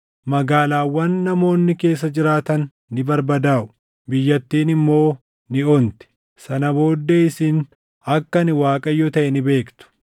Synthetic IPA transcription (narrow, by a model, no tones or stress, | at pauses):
mɐɡaːlaːwːɐnːɐmo̞ːnːɪke̞ːs̬ːɐd͡ʒɪɾaːt̪ɐnː | ɪbɐɾbɐd̪aːʔʊ̥ | bɪjːɐt̪ːiːnɪmːo̞ː | nɪont̪ɛ̥ | sɐnɐbo̞ːd̪ːeːɪsɪn | ɐkːɐnɪwaːkʼɐjːot̪ɐʔɛnɪbe̞ːkt̪ʊ̥